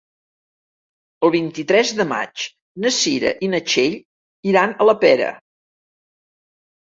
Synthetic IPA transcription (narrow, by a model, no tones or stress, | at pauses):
əlˠβ̞int̪it̪ɾɛzðəma̰t͡ʃ | nəsiɾə̰ʔinət͡ʃeʎ | iɾanələpɛɾə̰